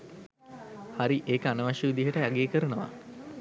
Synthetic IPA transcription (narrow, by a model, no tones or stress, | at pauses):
haɾiʔeːkəanəʋaʃuʋid̪iɦəʈəjaɡeekəɾənəʋa̰